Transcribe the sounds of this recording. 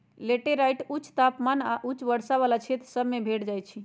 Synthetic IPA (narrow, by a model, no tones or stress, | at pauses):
leʈeɾajʈut͡ʃt̪apmanaʔut͡ʃbəɽsaβalat͡ʃʰet̪ɾsəbʱmebʱeʈd͡ʒajt͡ʃʰi